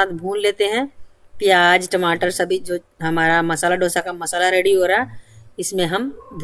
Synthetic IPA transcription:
ãːt̪ʰbʱuːlleːt̪eɦɛ̃pijaːd͡ʒʈɐmaːʈəɾsɐbʱid͡ʒoː | ɦɐmaːɾamɐsaːlaɖʱoːsakamɐsaːlaɾeːɽiɦoːɾaɛɪsmẽɦɐmd̪ʱ

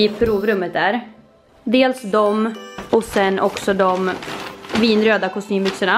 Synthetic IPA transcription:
ɪpʰɾuːvɾɵmːət̪̚d̪æːɾ | d̪eːlsd̪ɔmɔsɛnːʔɔksɔd̪ɔm | viːnɾøːd̪akʊst̪yːmbʏksəɳa

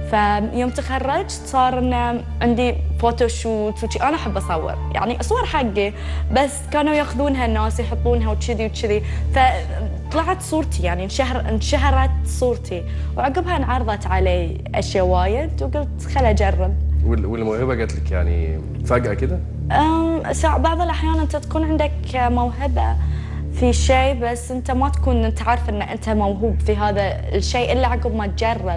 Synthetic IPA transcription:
fajoːmt̪axɑrˤːɑd͡ʒ | sˤɑːɾˤʔɪnːa | ʕɪnd̪ifot̪oʃuːt̪wt͡ʃiʔaːnaʔaħabːʔɑsˤɑwːɨ̰ɾja̰ʕniʔɑsˤwːɑɾˤħaɡːibasːkaːnujaːxʊðuːnɦanːaːswjħʊt̪ˤːuːnɦawt̪ʃɪðiwt̪ʃɪðifat̪ˤːɑlɑʕɑt̪sˤuːɾt̪ʰijaʕninʃahɾˤnʃaɦɾˤɑt̪sˤuːɾt̪ʰi | wʕaɡɪbhanʕɑɾˤðˤɑt̪ʕaleː | ʔaʃjawaːjɪd̪wɡʊlt̪xalːad͡ʒɑrˤːɑbwɪwɪlmawhɪbaɡaːt̪lɪkja̰ʕnḭ | faɡʔakɪd̪a | ʔamsɑʕbɑʕðˤɨlʔaħjaːnʔɪnt̪at̪ḁkuːnʕɪnd̪ak | mawɦɪba̰ | fiʃeːbasːʔɪnt̪amat̪ḁkuːnʔnt̪aʕaɾˤːɑfʔɪnːʔɪnt̪amawɦuːbfiɦaːða | ʃeːʔɪlːaʕaɡɪbmat̪̚d͡ʒɑrˤːɑ

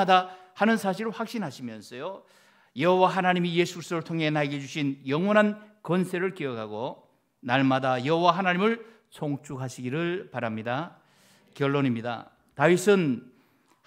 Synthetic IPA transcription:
adahanɯnsʰaɕ̬ʰiɾɸwak̚ɕ͈inɦaɕʰimjʌnsʰʌjo | jʌɦowaɦanaɲimije̞sʰukʰis͈oɾɯɭtʰoŋɦe̞naɡed͡ʑuɕʰinjʌŋwʌnɦankʌnsʰe̞ɾɯɭkiʌkʰaɡo | naɭmadajʌɦowaɦanaɲimɯɭ | sʰoŋt͡ɕʰukɦaɕʰiɡiɾɯɭpaɾamɲida | kjʌɭːonimɲida̰ | taɥisʰɯn

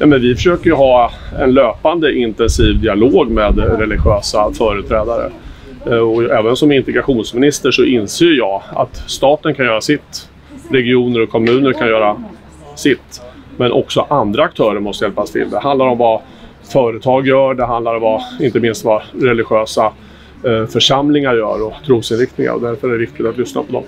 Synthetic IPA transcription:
nɛːmɛnvɪfœʂøːkəɾjɵɦɑːɛnløːpand̪əʔɪnt̪ɛnsiːvd̪ɪaloːɡmeːd̪ɾɛlɪɧøːsafœːɾʉt̪ʰɾɛːd̪aɾə̰ | ɔɛːvənsɔmɪnt̪ɛɡɾaɧuːnsmɪnɪst̪əʂɔʔɪnseːjəɾjɑːa̰t̪st̪ɑːt̪ənkʰanjœːɾasɪt̪ | ɾɛɡɪuːnəɾɔkʰːɔmʉ̟ːnəɾkʰanjœːɾa | sɪt̪mɛnʔɔ̰ksɔʔand̪ɾaːk̚t̪ʰœːɾəɾmɔst̪əjɛlpast̪ʰɪ̰ld̪ɛɦand̪laɾɔmva | fœːɾət̪ʰɑːɡjœːɖɛɦand̪laɾɔvaɪnt̪əmɪnst̪vaɾɛlɪɧøːsa | fœʂamlɪŋaɾjœ̰ːɾɔt̪ʰɾuːsɪnɾɪkt̪nɪŋa̰ɾɔ̰d̪æɾfœɾæɖɛvɪkt̪ɪɡt̪at̪lʏsna̰pʰɔd̪ɔ̰m

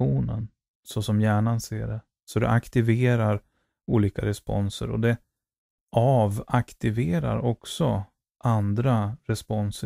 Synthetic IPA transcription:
uːnə̰n | sɔsɔmjæːɳansḛːɖɛ | sɔd̪ɛ̰ʔakt̪ɪveːɾaɾ | uːliːkaɾɛspɔ̰nsə̰ɾɔ̰d̪ɛ | ʔavakt̪ɪveːɾa̰ɾɔksɔ | ʔand̪ɾaɾɛspɔns

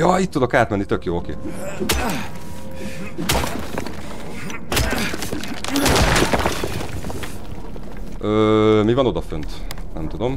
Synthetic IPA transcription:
jɒit̪ːud̪o̞kaːt̪mɛnːit̪økjoːo̞kḛː | øːmivɒno̞d̪ɒfønt̪ | nɛmt̪ud̪o̞m

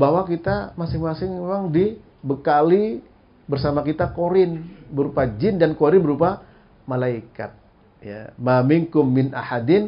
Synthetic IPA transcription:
bawakit̪amasɪŋmasɪŋemaŋdi | bəkali | bərsamakit̪akoɾɪnbəɾupad͡ʒɪndankoɾɪnbəɾupa | malaika̰t̪̚ | ja̰mamɪŋkʊmːɪnʔa̰ħadɪn

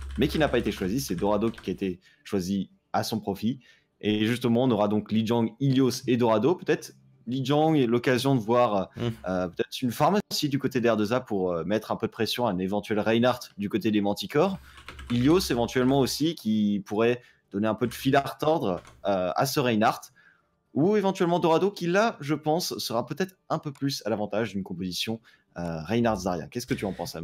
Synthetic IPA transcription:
mɛkʲinapaet̪eʃwazisɛd̪ɔʁad̪okʲiaet̪e | ʃwazi | asɔ̃pχɔfi | eʒyst̪əmɑ̃ɔ̃nɔʁad̪ɔ̃klid͡ʒɔ̃ɡiljosed̪ɔʁad̪opøt̪ɛt̪χ | lid͡ʒɔ̃ɡlɔkazjɔ̃d̪əvwaʁøøpøt̪ɛt̪χynfaʁmaosid̪ykot̪ed̪ɛʁd̪əzapuʁømɛt̪χɛ̃pød̪əpχesjɔ̃aɛnevɑ̃t̪ɥɛlʁɛjnaʁt̪d̪ykot̪ed̪emɑ̃t̪ikɔʁiljosevɑ̃t̪ɥɛlmɑ̃osikʲipuʁɛ | d̪̥ɔneɛ̃pød̪əfilaʁt̪ɔʁd̪ʁøa̰səʁɛjnaʁt̪ | uevɑ̃t̪ɥɛlmɑ̃d̪ɔʁad̪okʲilaʒəpɑ̃sːəʁapøt̪ɛt̪χɛ̃pøplysalavɑ̃t̪aʒd̪ynkɔ̃pozisjɔ̃ | øʁɛjnaʁt̪zaʁjɛ̰̃kɛskət̪yɑ̃pɑ̃sam

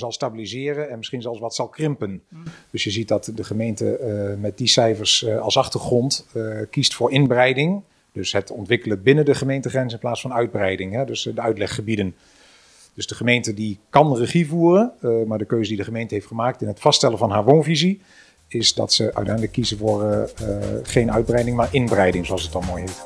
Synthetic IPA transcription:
zɑlˠstaːbilizɪːrənɛnmɪsχinzɑlˠsʋɑtsɑlˠkrɪmpənd̥øsjəzit̚dɑtdəχəmejntə̰mɛt̚disɛjfəɹsɑlˠsɑχtəɹχrɔntkistfʊːɹɪnbrɛjdɪŋ | d̥ɵsɦətɔntʋɪkələbɪnəndəχəmejntəχrɛnsɪnplaːsfɑnœɥd̚brɛjdɪŋɦɛdøsdəœɥtlɛχːəbidən | d̥ɵzdəχəmejntədikɑnrəχivuːrənmaːɹdəkøɥzədidəχəmejntəɦejftχəmaːk̚tɪnɦətfɑstɛlənvɑnɦaːɹʋownvizi | ɪsdɑ̰tsəœ̰ɥtɛjndələkːizəvʊːɹ | χejnœɥd̚brɛjdɪŋmaːɹʔɪnbərɛjdɪŋzoɑlˠsət̚ɑnˠmoːjɦet

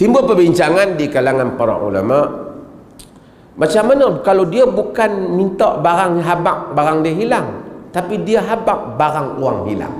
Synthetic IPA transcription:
t̪imbupəbiɲt͡ʃaŋandikalaŋanpaɾa̰ʔṵla̰maʔ | mat͡ʃamːanəkalowdiabukanmint̪ɔʔbaɾaŋɦabak̚baɾaŋdiaɦilaŋt̪apidiaɦabak̚baɾaŋuaŋhḭla̰ŋ

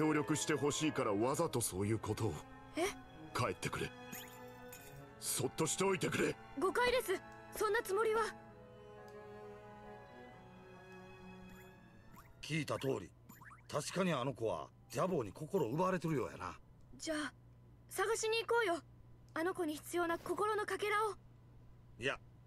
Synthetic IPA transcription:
ko̞ːɾʲo̞kɯ̟ɕi̥t̪e̞ɦo̞ɕiːkaɾaβazat̪o̞so̞ːjɯ̟ːko̞t̪o̞ː | e | kae̞t̪ːe̞kɯ̟ɾḛ | so̞t̪ːo̞ɕi̥t̪e̞o̞it̪e̞kɯ̟ɾe | ɡo̞kaid̪e̞sɨ | sõ̞nːat͡sɨmo̞ɾʲiβa | kʲiːt̪at̪o̞ːɾʲḭ | t̪aɕi̥kaɲ̟iano̞ko̞βa̰ | d͡ʑabo̞ːɲ̟iko̞ko̞ɾo̞ɯ̟baɾe̞t̪e̞ɾɯ̟jo̞̰ːja̰na̰ | d͡ʑaː | saɡaɕiɲ̟iːko̞ːjo̞ | ano̞ko̞ɲ̟içi̥t͡sɨjo̞ːnako̞ko̞ɾo̞no̞kake̞ɾao | ja

